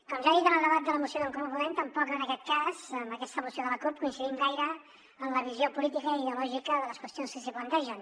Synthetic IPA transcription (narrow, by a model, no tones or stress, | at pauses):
kɔmʒaðit̪ənəlˠd̪əβat̪̚d̪ələmusioðəlˠkummpulent̪əmpɔkənəkɛt̪̚kazəmbəkɛst̪əmusioðələkup̚kuinsiðimɡajɾə | əmləβiziopulit̪ikəiləlɔʒikəðələskwəst̪ionskəsiplənt̪ɛʒən